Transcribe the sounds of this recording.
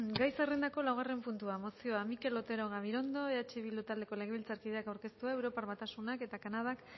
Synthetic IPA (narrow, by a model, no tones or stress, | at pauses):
ɡajsarend̪ako̞lawɣ̞are̞mpunt̪uamo̞sio̞amike̞lo̞t̪e̞ɾo̞ɣ̞aβiɾo̞nd̪o̞eat͡ʃeβilut̪ald̪e̞ko̞le̞ɣe̞β̞ilt͡saɾkið̞e̞akawɾke̞st̪uaewɾo̞paɾβat̪asunake̞t̪akanað̞ak